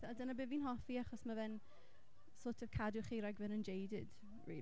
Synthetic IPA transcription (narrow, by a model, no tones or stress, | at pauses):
adənabɪːnviːnɦɔfiaχɔsmavɛn | soːtʰəv̥kʰadʊχiːɾajɡvɛnənd͡ʒejdɪd̥ | ɹḭː